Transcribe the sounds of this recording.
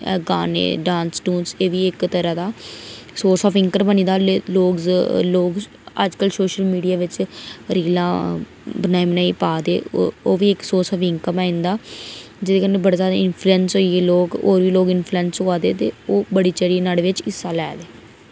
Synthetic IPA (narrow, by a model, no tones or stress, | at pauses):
ɡaːnḛːɖãːnsʈũːnseːʋiːɪkt̪əɾãːd̪aːsoːɾsɔːpɪŋkəɾbənĩːd̪aːloːɡloːɡ | ə̰d͡ʒkəlsoːʃəlmiːɖijaːʋɪt͡ʃɾiːlãː | bənaːiːmənaːiːpaːd̪eːoːʋiːɪksoːɾsɔːfɪŋkəmaːɪ̃nd̪aː | d͡ʒɪd̪eːkənːeːbəɽaːzjaːd̪aːɪnpʰluɛːnsoːieːloːkoːɾʋiːloːɡɪnpʰluɛːnsɦoːaːd̪eːt̪eːoːbəɽiːt͡ʃəɽiːnaːɽʋɪt͡ʃɪsːaːlɛ̰ːd̪eː